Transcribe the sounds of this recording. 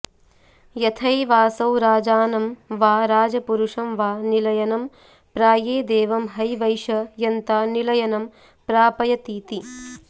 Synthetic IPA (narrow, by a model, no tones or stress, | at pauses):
jɐt̪ʰɐjʋaːsɐwɾaːd͡ʒaːnɐmʋaːɾaːd͡ʒɐpuɾuʂɐmʋaːnilɐjɐnɐm | pɾaːjeːd̪eːʋɐmɦɐjʋɐjʃɐjɐnt̪aːnilɐjɐnɐm | pɾaːpɐjɐt̪iːt̪i